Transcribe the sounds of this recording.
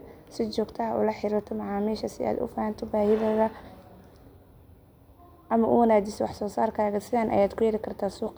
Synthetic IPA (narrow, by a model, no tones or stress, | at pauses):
sɪt͡ʃɔːɡt̪ʰɐɦɐʔʊ̰lɐħɪɾɪrt̪ʰɔmɑʕaːmiːʃɐsɪʔa̰ːd̪ʊ̰faːhant̪ʰɔbaːhɪðɐɣɐ | ʔɐmɐʔʊ̰wɐnaːd̪ɪswɑ̰ħsɔːsaːrkʰaːɣɐsɪðaːnʔɐ̰jaːd̪kʰʊjɐɾɪkʰɐrt̪ʰaːsuːq